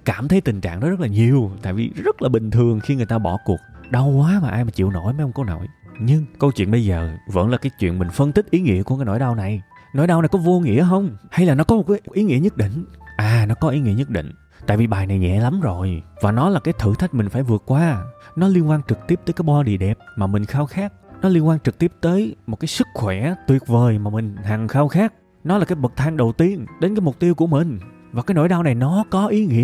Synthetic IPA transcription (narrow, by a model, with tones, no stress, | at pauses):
kaː˧˩mt̪ʰə˨˦jt̪ï˨˩ŋ̟t͡ɕa̰ː˧˨ŋʔɔ˨˦zə˦˥t̚laː˨˩ɲi˨˩əwt̪a̰ː˧˨jvḭ˨˩zə˦˥t̚laː˨˩ɓï˨˩ŋt̪ʰɨ˨˩əŋxi˧ŋɨ˨˩əjt̪aː˧ɓɔ˧˩ku˨˩ək̚ɗa˧wkwaː˨˦maː˨˩ʔaː˧jmaː˨˩t͡ɕḭ˧˨əwno̰˧˥jma˧˨˦jʔŋ͡mko˧wno̰˧˩˨jɲɨ˧ŋkə˧wt͡ɕwḭ˧˨ənɓə˧jzəː˨˩və̰˧˥nlaː˨˩kaː˨˦jt͡ɕwḭ˧˨ənmï˨˩ŋ̟fə˧nt̪ï˦˥k̟̚ʔi˨˦ŋḭ˧˥əku˧˩kaː˨˦no̰˧˨˦jɗa˧wna˨˩j | no̰˧˥˦jɗa˧wna˨˩jkɔ˨˦vo˧ŋḭ˧˥əɦə˧wŋ͡mha˧jlaː˨˩nɔ˨˦kɔ˨˦mo˨˩kaː˨˦ʔi˨˦ŋḭ˧˥əɲə˦˥t̚ɗḭ̈˧˨ŋ̟ʔaː˨˩nɔ˨˦kɔ˨˦ʔi˨˦ŋḭ˧˥əɲə˦˥t̚ɗḭ̈˧˨ŋ̟ | t̪a̰ː˧˨jvi˨˩ɓaː˨˩jna˨˩jɲɛ̰˧˨la˨˦mzo˨˩jvaː˨˩nɔ˨˦laː˨˩kaː˨˦jt̪ʰɨ̰˧˩t̪ʰa˦˥jk̟̚mï˨˩ŋ̟faː˧˩jvɨ˨˩ət̚kːwaː˧nɔ˨˦li˧ənkwaː˧nt͡ɕɨ˨˩k̚t̪i˦˥p̚t̪əː˨˦jkaː˨˦jɓɔ˧ɗḭ˧˨əɗɛ˨˩p̚maː˨˩mï˨˩ŋ̟xaː˧wxaː˦˥k̚nɔ˨˦li˧ənkwaː˧nt͡ɕɨ˨˩k̚t̪i˦˥əp̚t̪əː˨˦jmo˨˩t̚kaː˨˦jsɨ˦˥k̚xwɛ˧˩t̪wi˨˩ət̚vəː˨˩jmaː˨˩mï˨˩ŋ̟ha˨˩ŋxaː˧wxaː˦˥k̚ | nɔ˨˦laː˨˩kaː˨˦jɓə˨˩k̚t̪ʰaː˧ŋɗə˨˩wt̪i˧ənɗe˨˦nkaː˨˦jmʊ˨˩k͡p̚t̪i˧əwku˧˩əmï˨˩ŋ̟ | vaː˨˩kaː˨˦jno̰˧˥˨jɗaː˧wna˨˩jnɔ˨˦kɔ˨˦ʔi˨˦ŋḭ˧˥ə